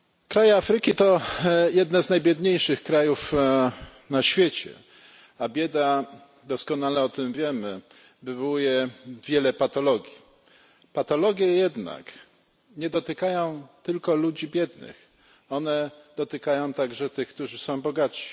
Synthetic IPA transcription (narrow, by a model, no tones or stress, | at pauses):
kɾajɛafɾɘkʲit̪ɔjɛd̪nɛznajbʲjɛd̪ɲejʂɘxkɾajuf | naɕfʲjet͡ɕɛ̰ | abʲjɛd̪a | d̪ɔskɔnalɛɔt̪ɘmvʲjɛmɘ | bɘvujɛvʲjɛlɛpat̪ɔlɔɡʲi | pat̪ɔlɔɡʲjɛjɛd̪na̰k | ɲɛd̪ɔt̪ɘkajɔ̃w̃t̪ɘlkɔlud͡ʑibʲjɛd̪nɘ̰x | ɔnɛd̪̥ɔt̪ɘkajɔ̃w̃t̪aɡʐɛt̪ɘxkt̪uʐɘsɔ̃w̃bɔɡat̪ɕi̥